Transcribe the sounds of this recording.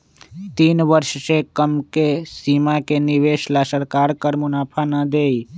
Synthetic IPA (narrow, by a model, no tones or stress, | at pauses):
t̪iːnʋəɾʃsekəmkesiːmakenɪʋeːʃlasəɾkaːɾkəɾmʊnaːpʰanəd̪eːi